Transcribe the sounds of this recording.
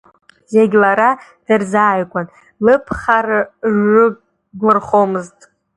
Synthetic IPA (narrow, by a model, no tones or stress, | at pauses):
zeɡʲlaɾad̥ɨrzaːjkʷʼan | lɨpʰχarʒɨ | ɡʷɨrχomɨztʼ